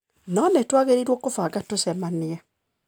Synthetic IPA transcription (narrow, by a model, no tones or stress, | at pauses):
nɔnetwaɣeɾeɾwɔkofaɡatosɛmaniɛ